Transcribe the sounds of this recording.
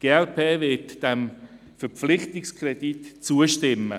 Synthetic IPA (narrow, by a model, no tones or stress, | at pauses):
ɡ̥eːɛlpʰeːvɪtd̥ɛm | fɛɾp͡flɪχtɪkskʰrɛditt͡suəʃtɪmːə̰